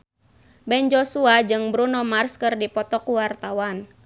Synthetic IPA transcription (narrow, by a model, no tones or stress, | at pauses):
bɛnd͡ʒɔsuad͡ʒɨŋbɾunɔmarskɨrdipɔt̪ɔkuwart̪awan